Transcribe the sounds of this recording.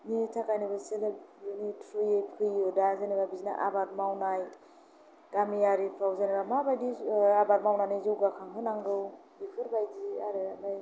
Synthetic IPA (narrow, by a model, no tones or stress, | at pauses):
nitʰakajnɯbaselebnitʰɾujejpʰɯjɔdazanibabizna̰ʔa̰bat̚mawnaj | ɡ̥amijaɾipʰawzanibamabajdiabat̚mawnanizɯwɡakʰaŋɦɯnaŋdɯwbipʰɯɾbajdiaɾeabaj